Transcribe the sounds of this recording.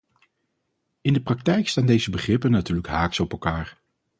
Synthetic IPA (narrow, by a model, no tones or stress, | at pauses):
ɪndəprɑk̚tɛjkstaːndejzəbəχrɪpənːatyːləkɦaːksɔpɛlˠkaːɹ